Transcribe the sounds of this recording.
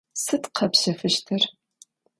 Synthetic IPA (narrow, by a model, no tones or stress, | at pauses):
sɨtqʰɐpɕɐfɨʃtʰɨr